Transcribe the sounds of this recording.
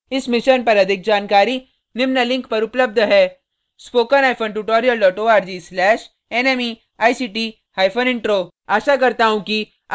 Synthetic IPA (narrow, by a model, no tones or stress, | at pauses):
ɪsmɪʃənpɐɾɐd̪ʱɪk̚d͡ʒaːnkaːɾi | nɪmnalɪ̃ŋkpɐɾʊpləb̚d̪ʱɦɛː | spoːkənaːɪpʰənʈuʈoːɾijəlɖɔːʈoːaːɾd͡ʒislɛːʃ | eːneːmi | aːisiːʈi | haːɪfʰənɪ̃ɳʈɾoː | aːʃakɐɾt̪aɦũki